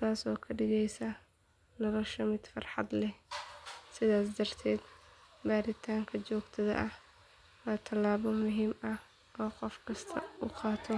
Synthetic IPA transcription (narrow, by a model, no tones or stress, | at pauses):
t̪ʰaːsɔːkʰɐɖɪɣɛjsɐ | nɐlɐʃɐmɪd̪̥fɑrħɑ̰d̪lɛh | sɪðaːsd̪ɐr̥t̪ʰɛːd̪baːɾɪt̪ʰaːŋkʰɐt͡ʃɔːɡt̪ʰɐðɐ̰ʔɐh | wɑːt̪ʰɐlːaːβɔmʊɦiːmɐ | ʔɔːqɔfkʰɐst̪ʰɐʊqɑːt̪ʰɔ